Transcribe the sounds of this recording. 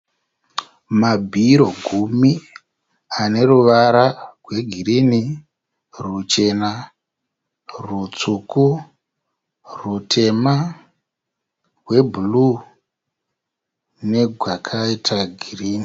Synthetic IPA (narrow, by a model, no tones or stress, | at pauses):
mabʱiɾo̞ɡʱumi | ane̞ɾuʋaɾarwe̞ɡʱirini | rut͡ʃe̞na | rut͡suku | rutʰe̞ma | rwe̞bʱulu | ne̞ɡʱwakʰaitʰaɡʱiriːni